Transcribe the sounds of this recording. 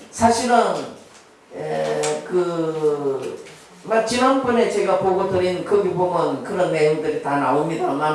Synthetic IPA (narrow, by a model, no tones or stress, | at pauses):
sʰaɕʰiɾɯn | ekɯ | mak̚t͡ɕinanbʌne̞t͡ɕe̞ɡapoɡotɯɾinɯnkɯɡibomjʌnkɯɾʌnːe̞joŋdɯɾitana̰omɲidama